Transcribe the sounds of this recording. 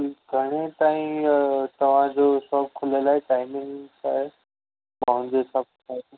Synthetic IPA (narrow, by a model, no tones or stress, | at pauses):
ɡʱɐɽ̃et̪aːĩt̪ɐʋ̤ãd͡ʑosɔːk̚kʰʊlelaːɦeʈaːɪmɪ̃ŋɡsaːɦe | pɐɦʊ̃ɲd͡ʑesãpʊt̪ʰat̪u